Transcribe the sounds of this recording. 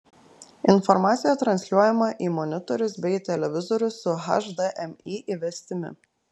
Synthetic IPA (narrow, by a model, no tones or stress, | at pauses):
ɪnfɔɾmɑːt̪sʲɪjɛt̪ɾɐnʲsʲlʲuɔjɛmɐʔiːmɔnʲɪt̪ɔɾʲʊsbʲɛɪt̪ʲɛlʲɛʋʲɪzɔɾʲʊsʊɦɐ̰ʃd̪ɐʔɛmiːʔiʋʲɛsʲt̪ʲɪmʲɪ̰